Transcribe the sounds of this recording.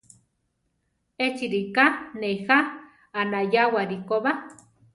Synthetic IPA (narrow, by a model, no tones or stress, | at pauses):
et͡ʃiɾikanejxaː | najawaɾikoβa